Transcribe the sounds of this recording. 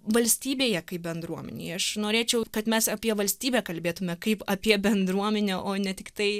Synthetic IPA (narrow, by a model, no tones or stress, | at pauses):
ʋɐlʲsʲt̪ʲiːbʲeːjɛkɐɪp̚bʲɛnd̪ɾuɔmʲɛ̰nʲɛ̰ɪɐʃnoːɾʲeːt͡ʃʲɛʊkɐt̪mʲɛsɐpʲiɛʋɐlʲsʲt̪ʲiːbʲæːkɐlʲbʲeːt̪ʊmʲɛkɐɪpɐpʲiɛbʲɛnd̪ɾuɔmʲɛnʲɛʔoːnʲɛt̪ʲɪkt̪ɐɪ